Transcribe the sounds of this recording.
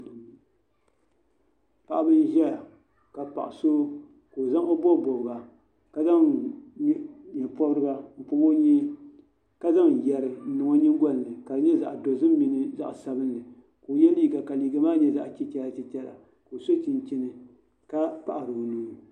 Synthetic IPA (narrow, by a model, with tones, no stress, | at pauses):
pa˨ʔa˦bɨ˦n˦ʒɛ˦la˨ | ka˨pa̰˨ʔʊ˨soː˦ | koː˨za˦ŋo˦bɔ˦˨bɔ˨bɨ˨ɡa˨ | ka˦za˦ŋ˦ | ɲɛ˨pɔ˦bɾɨ˦ba˦m̩˨pʊ˦bo˦ɲi˦ | ka˦za˦ŋ˨jɛ˨ɾɨ˨˦nɨ˨ŋɔ˦ɲi˦ŋ˦ɡɔ˦n˨lɨ˨ka˨ɨ˨ɲɛ˦za̰˨ʔdo˨zɨ˦m˦mi˨nɨ˨za̰˦ʔsa˦bɨ˦n˦lɨ˨ | koː˨jɛ˦liː˦ɡa˨ka˨liː˨ɡa˨˦maː˦ɲɛ˦za̰˦ʔt͡ʃɛ˦tɛ˦la˨tɛ˨tɛ˦la̰˨ | ko˨so˦t͡ʃi˨n˨t͡ʃi˦nɨ˨ | ka˦pa̰˨ʔa˨ɾɨ˨nuː˦